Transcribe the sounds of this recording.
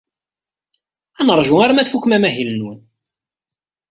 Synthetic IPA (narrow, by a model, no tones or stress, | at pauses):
ænəɾˤʒuaɾmæθfukːmæmæɦilənwən